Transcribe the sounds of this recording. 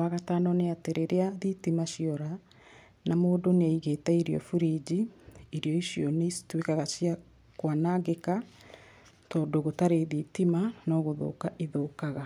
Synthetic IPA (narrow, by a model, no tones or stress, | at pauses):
waɣataːnɔneateɾeɾeaðitimaʃiɔɾa | namoːdoneaiɣetɛiɾiɔ̰fuɾid͡ʑiiɾiɔiɕiɔneitwekaɣasia | kwanaɡeka | tɔːdoɣotaɾeðitimanɔːɣoðo̰kaʔiðokaɣa